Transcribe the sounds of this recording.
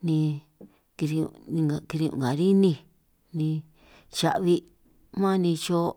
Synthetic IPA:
nĩ˧ | ki˧ɾi˧u˧˨nĩ˧a˧˨ki˧ɾi˧ṵ̃˨ŋ˨ɡa˨ɾi˦nĩ˧˨ | nĩ˧ | t͡ʃa̰˧ʔβi˧ | mã˦˧nĩ˧t͡ʃo˦

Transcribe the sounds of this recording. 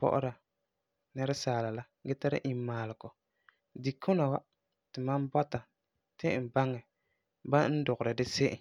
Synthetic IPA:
pɔ̰˦ʔʊ̰˦ɾa˨ | nɛ˦ɾɛ˦saː˨la˨la˦ɡɛ˦ta˦ɾɪ̰˦ʔi˨m˦maː˨lɪ˨kɔ˨ | di˨kʰʊ˦na˨wa˦ | tɪ˨ma˦nbɔ˦ta˨ | tɪ˦˨m̩˨ba˦ŋɛ˨ | ba˦n̩˦dʊ˨ɣʊ˨ɾɨ˨dɪ˦se˦ʔɪ̰˨

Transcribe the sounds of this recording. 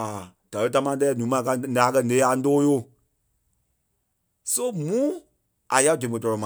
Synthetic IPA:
a˨ | d̥a˨lə˦t̬a˦mã˧˦dɛː˦˨nũː˨˦mã˨˦ka˧na˨a˨˦kɜ˦˨nẽ˨˦a˨n˦doː˦jo˦˨ | so˦mũ˦ | a˨ja˦dẽ˨mõ˨tɔ˧ɾɔ˨mã˨

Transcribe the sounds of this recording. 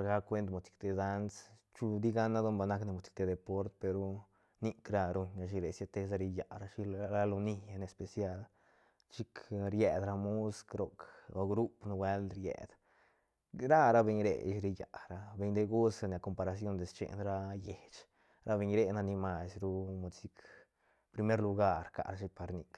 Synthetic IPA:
ɾɡa˦kʷe˧˦nt̪mo˨t̪i̥˨k̚t̪e˧d̪a˦ns | t͡ʃu˧d̪i˦ɡa˦na˦d̪o˦mba˨na˦kne˧˨mu˨t̪i̥˨k̚t̪e˧d̪e˨po˦ɾt̪pe˧ɾu˦ | ni˦kɾa˧ɾu˧ɲa˧ʃ̬i˧ɾe˨sje˧t̪e˧s̬a˧ɾi˧ja˨ɾa˦ʃi˦ɾa˦lo˧ni˧ja˧ne˧˨spe˨sja˦l | t͡ʃi˦kɾje˨d̪ɾa˧mu˦skɾo˨ko˧ɡɾu˦pnu˧we˦lɾjḛ˨d̪ | ɾa˦ɾa˦be˧ɲɾḛ˨˧ʃɾi˧ja̰˨ɾa˧be˧ɲd̪e˦ɡu˦sa˧nʲ˨a˨ko˨mpa˨˧ɾa˧s̬jo˦nd̪e˨st͡ʃḛ˨ʔnɾa˦je˨t͡ʃ | ɾʔa˦be˧ɲɾe˦na˧ni˧ma˧sɾu˦mu˧˨si˦k | pɾi˧me˦ɾlu˧ɡa˦˨ɾka̰˨ʔɾa˧ʃi˦pa˨ɾni˧k

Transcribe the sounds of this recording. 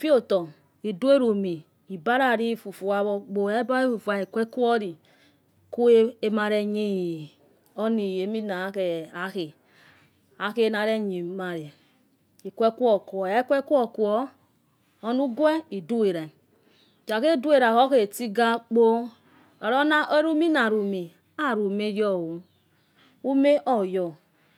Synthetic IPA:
fi˦o˦tɔ˨ | i˨du˦e˦ɾo˨mi˨ | i˨ba˦ɾa˦˨ɾi˦˨fu˨fu˨a˨βɔ˦k͡po˨e˦ba˦e˦fu˨fu˨a˨i˨kʷe˦ku˦ɔ˦ɾi˨ | ku˦e˦e˦ma˨ɾe˨ɲe˦˨ | o˦ni˨e˨˦mi˦na˨˦ke˨a˨˦ke˨ | a˨˦ke˦na˨ɾe˦ɲi˨ma˨ɾe˨ | i˨kʷe˦ku˦o˨ku˨ɔ˨e˦kʷɛ˦ku˦ɔ˦˨ku˨ɔ˦ | o˦nu˦ɡwɛ˦i˨du˦e˨ɾa˨ | t͡ʃa˨ke˦˨du˦e˨ɾa˨ko˦ke˦˨ti˦ɡa˦k͡po˦ | a˨ɾo˦na˦ʔo˦ɾu˦mi˦na˨ɾu˨me˨ | a˦˨ɾu˨me˦jɔ˦˨wu˨˦ | u˦me˦ʔɔ˦˨jɔ˨

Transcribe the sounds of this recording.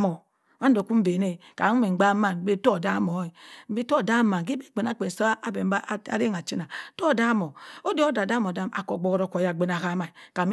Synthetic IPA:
mo˨ | ma˦n˦do˨ku˦m̩˦be˨ne˦˨ka˨˦e˨ɡ͡ba˦ma˦˨˦be˦to˦˨da˦mo˨˦e˨m̩˦be˦to˦˨da˦ma˨ŋ˨k̬i˦be˦˨k͡pe˨na˦˨k͡pe˨n˨so˦ʔa˨be˨m˦ba˦a̰˦ɾe˦ŋa˨t͡ʃi˦na˨to˦˨da˦mo˨o˦de˦o˦da˨da˦mo˨da˦mʔa̰˨ko˨ɡ͡bo˦ɣɾo˨ko˨ja˨ɡ͡be˦˨n˨a˨ka˦ma˨i˨ka˨m˦

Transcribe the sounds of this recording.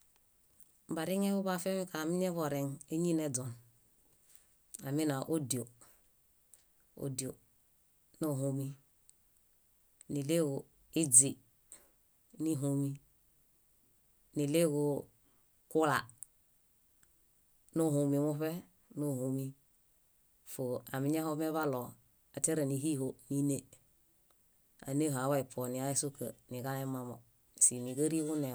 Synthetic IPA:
m̩˨ba˨ɾi˦ɲe˦βo˦ba˦˨fe˦mi˦ka˨mi˦ɲe˦vo˨ɾe˨ŋe˦ɲi˦ne˦dɔ˨n | a˨mi˦na˨ʔo˦di˨o˨ | o̰˨˦di˨o˨ | no˦˨ɦo˨mi˦ | ni˨le˦ɡo˨ | i˦d͡zi˨ | ni˦ɦo˨mi˦ | ni˨le˦ɡu˨ | ku˦la˨ | no˦˨hu˨mi˨mu˦fe˦ | no˦˨hu˨mi˦ | fo˨a˨mi˦ɲa˦ho˦me˦βa˦lɔ˨ | a˨te˦ɾe˨ni˨ɦi˦ɦo˦ni˦ne˨ | a̰˨ne˦ɦa˨wa˦i˨pʰɔ˨ni˨a˦i˦su˦kə̰˨ni˨ɡa˦le˦ma˨mo˨ | si˨ni˨ɡə˦ɾi˦ɡu˦ne˨

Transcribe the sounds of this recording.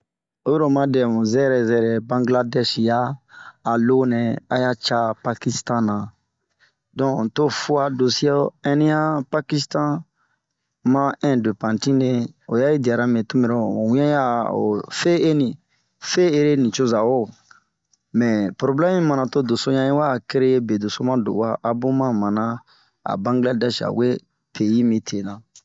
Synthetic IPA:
o˦jo˦ɾo˨mã˦dɛ̃˨mũ˨zɛ˦ɾɛ˨zɛ˨ɾɛ˨bã˦ŋɡla˦dɛ˦ʃjaː˦˨ | lo˦nɛ̃˨a̰˦ja˦t͡ʃa˦pa˦ki˦stã˦nã˨ | dɔ̃˦˨to˦fu˦a˦do˨si˦e˦ɛ̃˦nĩ˦ja˦pa˦ki˦stã˦ | mã˦ɛ̃˦de˨pã˨ntĩ˦ne˦o˨ja˦ji˦di˨a˨ɾa˦mẽ˨tũ˦me˨ɾɛ˦˨o̰˨wĩ˦ã˦ja˦o̰˨fe˦e˦nĩ˨ | fe˦e˦ɾe˦nĩ˨t͡ʃo˦za˨wo˦ | mɛ˨pɾo˨blɛ˦mĩ˦mã˨nã˨to˦do˨so˦ɲã˦i˦wa˦˨ke˦ɾe˦je˦be˨do˨so˦mã˦do̰˨wa˦ʔa˦bo˦mã˦mã˨nã˦ | a̰˨bã˦ŋɡla˦da˦ʃa̰˨we˦ | pʰe˨ji˦mĩ˦tʰe˨nã˨

